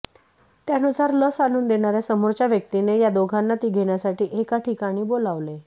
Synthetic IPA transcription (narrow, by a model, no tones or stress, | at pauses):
t̪janusaɾləsaluːnd̪eɽ̃aɾjasəmoɾt͡ɕjaʋjək̚t̪inejad̪oɡʱanːat̪iːɡʱeɽ̃jasaʈiːʔekaʈikaɽ̃iːbolaʋle